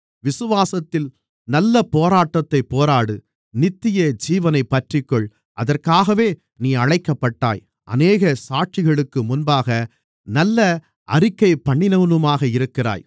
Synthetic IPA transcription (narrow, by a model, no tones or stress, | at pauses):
ʋɪsɯʋaːsɐt̪ːɪl | nɐlːɐpoːɾaːʈːɐt̪ːɐɪpːoːɾaːɽɯ | nɪt̪ːɪjɐd͡ʒiːʋɐnɐɪpːɐʈrɪkːɔɭ | ʔɐðɐrkaːɣɐʋeː | niːɐɻɐɪkːɐpːɐʈːa̰ːj | ʔɐ̰neːɣɐsaːʈ̚t͡ʃɪɣɐɭɯkːɯmʊnbaːɣɐ | nɐlːɐ | ʔɐɾɪkːɐɪpːɐɳːɪnɐnɯmaːɣɐɪɾɯkːɪra̰ːj